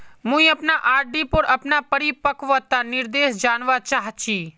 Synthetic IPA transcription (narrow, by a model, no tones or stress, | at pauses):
mũĩəpnaʔaːɾɖipəɾəpnapəɾipəkʋət̪anɪɾd̪eːʃd͡ʒanʋat͡ʃaɦt͡ʃʰi